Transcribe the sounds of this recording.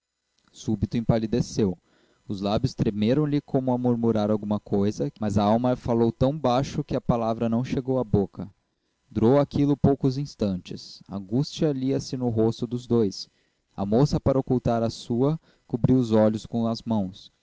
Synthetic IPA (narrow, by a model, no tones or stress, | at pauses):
subit̪ʊẽpalid̪esew | ʊzlabjʊst̪ɾemeɾɐ̃w̃lɪkʰõmʊɐmuɾmuɾaɾawɡũmɐkʰojzɐmɐzɐawmɐfalowt̪ɐ̃w̃baʃʊkɪɐpalavɾɐnɐ̃w̃ʃeɡowɐbokɐ | d̪uɾowakilʊpowkʊzĩst̪ɐ̃t͡ʃɪsɐ̰̃ɡust͡ʃiɐliɐsɪnʊɦost̪ʊd̪ʊzd̪ojs | ɐ̰mosɐpaɾɐokuwt̪aɾɐsuɐ | kubɾiwʊzɔʎʊskõɐzmɐ̃w̃s